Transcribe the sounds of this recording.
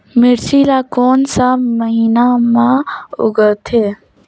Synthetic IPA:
mɪɾsiɾakoːnsaməɦiːnamãʊ̰ɡət̪ʰeː

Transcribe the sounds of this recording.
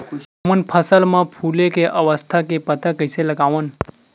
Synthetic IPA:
əmənpʰəsəlmãpʰulekeʔəʋəst̪ʰakepət̪akəiseləɡaʋən

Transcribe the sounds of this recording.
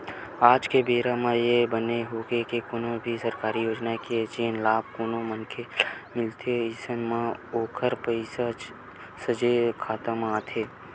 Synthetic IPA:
aːd͡ʒkebeːɾamãjebəneɦoːɡekekoːnõbʱisəɾkaːɾijoːd͡ʒnakeed͡ʒeːnlaːb̚koːnõmənkʰemɪlt̪ʰeɪsənmãoːkʰəɾpəɪsad͡ʒ | səd͡ʒekʰaːt̪əmaːt̪ʰeː

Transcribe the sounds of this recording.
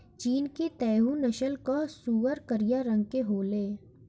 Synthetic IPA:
t͡ʃiːnkit̪ɛːɦũnɐʃəlkosuːʋəɾkəɾijaɾə̃ŋɡ̚keɦoːleː

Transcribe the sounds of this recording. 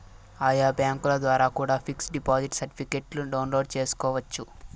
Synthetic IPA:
aːjaːbjaːŋkulɐd̪ʋaːɾaːkuːɽaːpʰiksɖipaːziʈsɐɾʈipʰikeʈluɖɐwnlo̞ːɖt͡ʃeːsu̥kɔːʋɐt͡ʃːu

